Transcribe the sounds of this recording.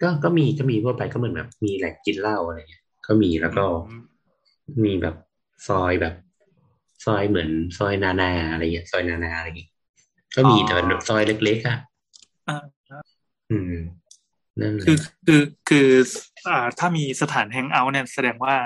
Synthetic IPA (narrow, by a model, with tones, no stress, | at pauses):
kɔː˥˩kɔː˥˩miː˧kɔː˥˩miː˧mʰu˥˩əpa˧jkɔː˥˩mɯ˩˦nbɛ̰ː˨˩p̚miː˧lɛː˨˩k̚ki˧nla˥˩wʔa˧ɾa˧ŋi˦˥ | kɔː˥˩miː˧lɛː˦˥wkɔː˥˩˥ | miː˧bɛː˨˩p̚ | sɔː˧jbɛː˨˩p̚ | sɔː˧jmɯ˩˦ənsɔː˧jnaː˧naː˧a˧ɾa˧jŋi˦˥ɐsɔː˧jnaː˧naː˧ʔa˧ɾa˧jŋi˦˥ | kɔː˥˩miː˧t̪ɛː˨˩bɛ˧˨˩bp̚sɔː˧jle˦˥k̚leː˦˥k̚ʰa˥˩ | ʔaː˧˩ | a˧˥˩ | ʔɯː˧˩ | na˥˩˨kʰɯː˧kʰɯː˧kʰɯː˧ʔaː˨˩t̪ʰaː˥˩miː˧sa˧t̪ʰaː˩˦nɦɛ˧˥ŋʔa˦˥wni˥˩ɐsa˧dɛː˧ŋwaː˥˩